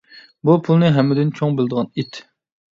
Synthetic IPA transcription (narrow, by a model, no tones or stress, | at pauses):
bupʰulˠnɨɦɛmːɪd̪ɪnt͡ʃʰoŋbɪld̪əʁɑnit̪